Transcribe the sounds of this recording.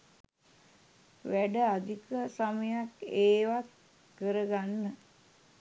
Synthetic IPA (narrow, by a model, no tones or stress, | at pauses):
ʋæɖəad̪ʱikəsaməjakeːʋat̪ | kəɾəɡanːə